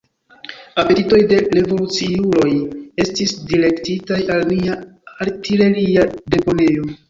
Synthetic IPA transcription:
ape̞tito̞jde̞ɾe̞vo̞lut͡siulo̞je̞stisdiɾe̞ktitajalniaaɾtile̞ɾiade̞po̞ne̞o̞

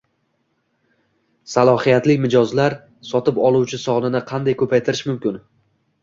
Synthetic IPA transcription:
salˠɒhijat̪lɪkʲmɪd͡ʒɒzlaɾ | sɒt̪ʰɪpɒlˠuwt͡ʃʰɪsɒʁnɪnɪqʰɑnd̪ajkʰɵpʰajt̪ʰɪɾɪʃmʊmkʲɪn

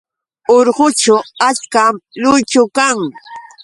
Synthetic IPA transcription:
oɾɢʊt͡ʃʊat͡ʃkamlʊjt͡ʃʊkaŋ

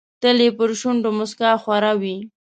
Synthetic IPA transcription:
t̪əlepəɾʃʊɳɖomʊskɑxwaɾawi

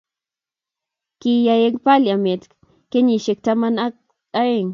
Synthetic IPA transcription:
kijajeŋpaljamet̪ | keɲiʃek̚t̪amana | aeŋ

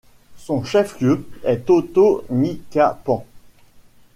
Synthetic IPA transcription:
sɔ̃ʃɛfljøɛt̪ot̪onikʲapɑ̃

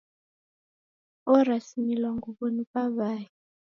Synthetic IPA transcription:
ɔɾasimilwaŋɡuɓonipʼaβaːji

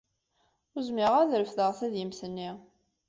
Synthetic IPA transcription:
ʊɾzmɪʁæðɾəfðəʁθæðjəmθənːi

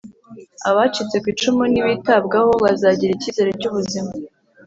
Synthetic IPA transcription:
aβat͡ʃit͡se̞kwiːt͡ʃumuniβitabɡaho̞βazaɟiɾiciːze̞ɾeɾcuβuzima

